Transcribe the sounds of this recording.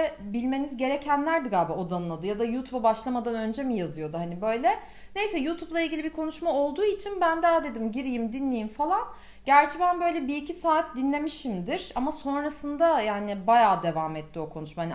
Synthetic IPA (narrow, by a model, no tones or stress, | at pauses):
ɛbilʲme̞nizɟe̞ɾecʰænlʲæɾd̪iɡaːbɛo̞d̪anlˠad̪ɯjad̪ajuːt̪ʰubabaʃlˠamad̪anø̞nd͡ʒɛmijazɯjo̞d̪uhanibø̞jlʲɛ | ne̞jsɛjuːt̪ʰublˠailʲɟʲilʲibiɾkʰo̞nuʃmao̞lˠd̪uːit͡ʃʰinbænd̪aaːd̪e̞d̪imɟiɾijimd̪inlʲejimfalˠan | ɟ̥æɾt͡ʃʰɛbænbø̞jlʲɛbiicisaːt̪̚d̪inlʲe̞miʃimd̪iɾ̥amaso̞nɾasɯnd̪ajaːnɪbajaːd̪e̞vaːmɛt̪ʰːio̞kʰonuʃmaɦan